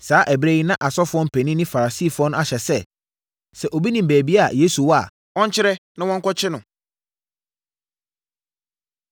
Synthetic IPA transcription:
saː˦ʔɛ˨bɾɛ˦ji˦nã˦ʔa˨sɔ˦fʊ˦ɔ̃˦m̩˦pʰɛ˨nĩ˦nɪ̃˦fa˨ɾa˨si˦˨fʊ˦ɔ̃˦ñ˦a˨ɕɛ˨sɛ˦ | sɛ˨ʔo˨bi˦nĩ˨m̩˨bæː˨bi˦a̰˨jeː˦su˨wɔ˦a̰˨ | ɔ̃˦ɲ˦t͡ɕʰɪ˦ɾɛ˦nɪ̃˦wɔ̃˦ŋ̩˦kɔ˦t͡ɕʰɪ˦nʊ̃˨

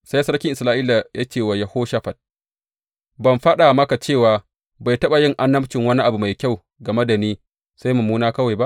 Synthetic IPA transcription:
sa˦jsɐ˦ɽkʲɪ˦ŋʔɪ˨slaː˦ʔiː˦la˨ja̰˦t͡ʃeː˦˨wa˨ja˨hoː˦ʃa˦ɸɐ˨t̚ | bɐ˨mɸa˦ɗa˨mɐ˦ka˨t͡ʃeː˦˨waː˨ | ba˨jtɐ˦ɓa˨jɪ˦ŋʔa˦nːɐ˦bt͡ʃɪ˨ŋwɐ˦ni˦ʔa˨bu˨ma˨jkʲa˦˨w | ɡɐ˨me˦da˨niː˦ | sa˦jmɐ˨muː˦naː˦kɐ˦wa˨jba˦ʔ

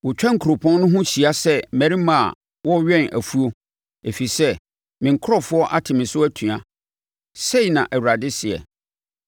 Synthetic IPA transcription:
wɔ˨t͡ɕᶣã˦ŋ̩˨kʰɾo˨pʰɔ̃˦n˦nʊ̃˦ɦʊ̃˦ɕi˨a˦sɛ˦mæ̃˨ɾi˦mã̰˨ | wɔ˦ɥɛ̃˦næ̰˨fu˦o˦ | e˨fi˨sɛ˦ | mɪ̃˨ŋ̩˨kʰʊ˦ɾɔ˦fʊ˦ɔ˦ʔa˦tʰɪ˨mɪ̃˨sʊ˦æ˦tʰũ˨a˨ | se˦i˨nã˨ʔæ˨wu˨ɾa˨dɪ˦sɪ˨ɛ̰˨

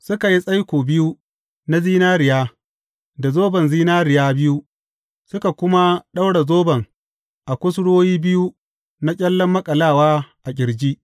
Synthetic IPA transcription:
sʊ˦ka˨ji˦sʼa˦jkʷoː˨bɪ˦ju˦ | na˦ziː˦naː˦ɾɪ˨jaː˦ | da˨zoː˦bɐ˨nziː˦naː˦ɾɪ˨jaː˦bɪ˦ju˦ | sʊ˦ka˨kʷʊ˦ma˦ɗa˦wɽa˨zoː˦bɐ˨ŋ | ʔa˨kʷʊ˦sɽoː˦jiː˦bɪ˦ju˦ | na˦kʲʼɛ˦lːɔ˦mːɐ˦kʼɐ˨laː˦˨waː˦ʔa˨kʲʼɪ˨ɽd͡ʒiː˦

